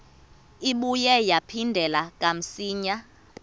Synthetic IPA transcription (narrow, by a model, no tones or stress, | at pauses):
iɓujɛjapʰindʱɛlakʼam̩siːɲa